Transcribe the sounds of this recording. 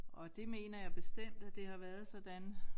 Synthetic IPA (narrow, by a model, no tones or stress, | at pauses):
ʔɒ̽d̥e̝me̝ːnɐjɑ̈ɪb̥e̝sd̥em̰d̥æd̥e̝hɑ̈ʋæːɐð̞̩ˠsɒ̽d̥æn